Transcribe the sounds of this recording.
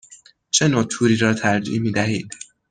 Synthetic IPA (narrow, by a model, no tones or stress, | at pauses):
t͡ʃʰe̞noːt̪ʰuːɾiːɾɒːt̪ʰæɾd͡ʒḭːʔmiːd̪æɦiːd̪